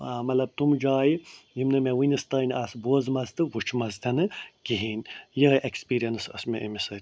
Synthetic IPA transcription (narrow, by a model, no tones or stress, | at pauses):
amɐlɐb̚t̪umd͡ʒaːjijimnɐmewɨinʲist̪ɐnʲʔaːsboːzmɐzt̪ɨwut͡ʃʰmɐzt̪ʲɐnɨɡiɦiːnʲjiɦʔekspiːɾijɐnsɐ̰smʲeʔimʲisɐ